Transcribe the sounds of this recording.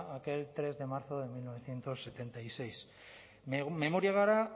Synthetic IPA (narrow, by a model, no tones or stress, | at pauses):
ake̞lt̪ɾe̞zðe̞maɾθo̞ðe̞milno̞β̞e̞θje̞nt̪o̞sːe̞t̪e̞nt̪ajse̞js | me̞moɾjaɣaɾa